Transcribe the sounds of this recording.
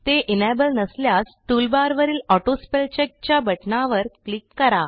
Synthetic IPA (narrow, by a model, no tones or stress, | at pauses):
t̪eʔinebəlnəsljasʈ̪ulbaɾʋəɾiːlɔʈospelt͡ɕek̚t͡ɕjabəʈnaʋəɾklikːəɾa